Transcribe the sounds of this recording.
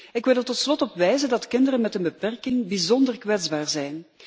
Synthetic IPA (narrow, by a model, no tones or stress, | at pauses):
ɪkʋɪlˠərtɔtslɔtɔpʋɛjzəndɑtkɪndəɾənmɛtənbəpɛrkɪŋbizɔndərkʋɛdzbaːrzɛjn